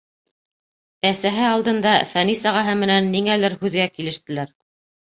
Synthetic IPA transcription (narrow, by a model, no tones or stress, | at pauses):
æsæɦɘɑlˠd̪ɤ̆nd̪ɑfænisɑʁɑɦɤmɘ̆nænːiŋælɘɾhʉðɡækilɘ̆ʃt̪ɘ̆læɾ